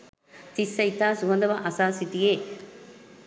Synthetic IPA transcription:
t̪isːɐjt̪aːsuɦɐnd̪ɐʋɐʔɐsaːsit̪ijeː

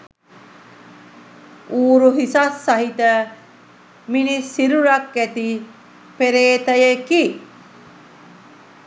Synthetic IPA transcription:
uːɾuɦisasːaɦit̪ə | minisiɾuɾak̚ɡæt̪i | peɾeːt̪əjeki

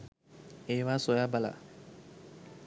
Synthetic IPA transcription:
eːʋaːsojaːbala̰

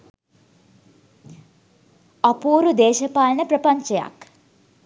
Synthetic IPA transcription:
ɐpuːɾud̪eːʃɐpaːlənəpɾɐpɐɲt͡ʃɐja̰k

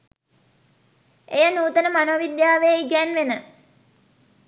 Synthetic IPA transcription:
ejənuːt̪ənəmanoːʋid̪jaːʋejiɡænʋenə

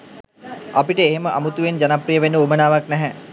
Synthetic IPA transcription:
apiʈəeɦeməʔamut̪uʋend͡ʒanaprijəʋenuumənaːʋaknæɦæ

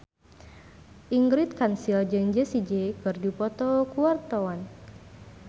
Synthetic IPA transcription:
ʔiŋɡɾit̪̚kansild͡ʒəŋd͡ʒɛsid͡ʒekɨrdipɔt̪ɔkuart̪ɔwan

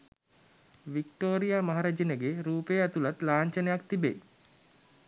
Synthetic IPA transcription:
ʋik̚ʈoːɾijaːmaɦaɾad͡ʒinəɡeɾuːpejat̪ulat̪laːɲt͡ʃənejak̚t̪ibḛj

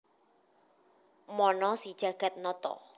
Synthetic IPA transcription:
mɔnɔsid̥ʒ̥a̤ɡ̥a̤t̪̚nɔt̪ɔ̰

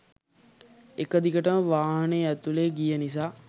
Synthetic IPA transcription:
ekəd̪ikəʈəməʋaːɦəneːæt̪uleːɡijənis̬aː

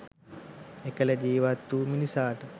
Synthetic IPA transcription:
ekəlɐd͡ʒiːʋat̪ːuːminisaːʈə

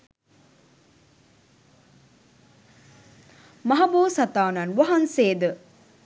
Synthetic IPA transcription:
mɐɦɐboːsɐt̪aːnɐnʋɐɦɐnseːd̪ə

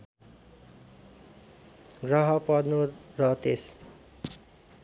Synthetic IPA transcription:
ɡrʌɦʌpʌd̪nurʌt̪es

